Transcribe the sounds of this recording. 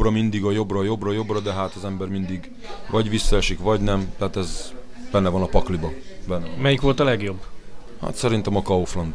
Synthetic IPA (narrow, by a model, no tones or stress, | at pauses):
rɒmind̪iɡɒjo̞brɒjo̞brɒjo̞brɒd̪ɛɦaːt̪ɒzɛmbɛrmind̪iɡ | vɒɟʋisːɒɛʃikʋɒɟnɛmt̪ɛɦat̪ɛz | b̥ɛnːɛvɒnɒpɒklibɒbɛnːɛmɛjikʋo̞lt̪ɒlɛɡjo̞bːha̰t̪sɛɾint̪ɛmɒkɒoflond̪